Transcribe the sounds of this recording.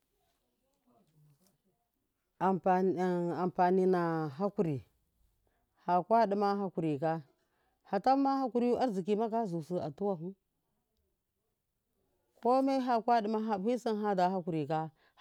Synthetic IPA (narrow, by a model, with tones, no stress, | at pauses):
a˨mpa˨ni˦na˨ɦa˦ku˨ɾi˨ | ha˨kwa˦ɗi˦ma˦ɦa˦ku˨ɾi˨ka˦ | ha˨ta˦ma˦ha˦ku˦ɾi˦ju˦ʔa˦ɾzi˨ki˨˦ma˦ka˦zu˨su˨a̰˨tu˦wa˨ɦu˦ | ko˦ma˦i˦ɦa˦kwa˦ɗi˨ma˦ɦa˨˦i˦si˦nɦa˦da˨ɦa˦ku˨ɾi˨ka˦